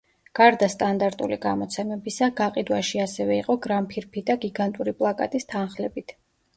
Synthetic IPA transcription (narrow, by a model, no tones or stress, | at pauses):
ɡ̥aɾd̪ast̪ʼand̪aɾt̪ʼṵliɡamɔt̪sʰɛmɛbisaɡaqʼid̪waʃiasɛvɛiqʼɔɡɾampʰiɾpʰid̪aɡiɡant̪ʼuɾipʼlˠakʼa̰t̪ʼist̪ʰanχlɛbit̪ʰ